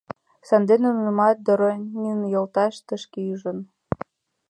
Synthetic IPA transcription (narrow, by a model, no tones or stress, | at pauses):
sɑnd̪enənəmɑt̪̚d̪oɾonʲinjolt̪ɑʃt̪əʃkeyʒə̆n